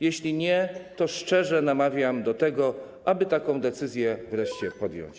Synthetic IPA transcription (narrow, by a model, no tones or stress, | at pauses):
jɛɕlʲiɲɛt̪ɔʂt͡ʂɛʐɛnamavʲjamd̪ɔt̪ɛɡɔ | ʔabɘt̪akɔ̃w̃d̪ɛt̪sɘzʲjɛvɾɛʂt͡ɕɛpɔd̪jɔ̰wɲt͡ɕ